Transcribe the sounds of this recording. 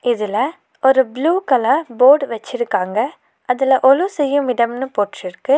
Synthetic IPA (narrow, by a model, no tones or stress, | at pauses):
ɪðɪlɐ | ɔɾɯbluːkɐlɐboːɖʋɐt͡ʃːɪɾɯkːaːŋɡɐ | ɐðɪlɐʔɔlɯsɛjːɯmɪɽɐmnɯpoːʈrɪɾɯkːɯ